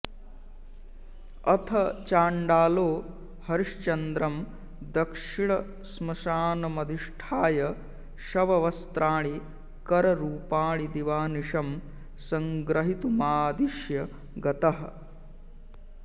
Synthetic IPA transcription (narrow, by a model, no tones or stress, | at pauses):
ɐt̪ʰɐt͡ʃaːɳɖaːloː | hɐɾʂt͡ʃɐnd̪ɾɐm | d̪ɐkʂiɳ̃ɐ | smɐʃaːnɐmɐd̪ʱiʂʈʰaːjɐ | ʃɐʋɐʋɐst̪ɾaːɭi | kɐɾɐɾuːpaːɭid̪iʋaːniʂɐm | sɐŋɡɾɐɦit̪umaːd̪iʃjɐ | ɡɐt̪ɐɦɐ̆